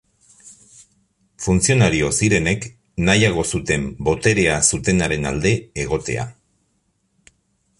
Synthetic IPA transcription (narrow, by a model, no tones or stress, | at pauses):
funt͡sio̞naɾio̞siɾe̞ne̞k | najaɣ̞o̞sut̪e̞mbo̞t̪e̞ɾe̞asut̪e̞naɾe̞na̰ld̪e̞ːɣ̞o̞t̪e̞̰a̰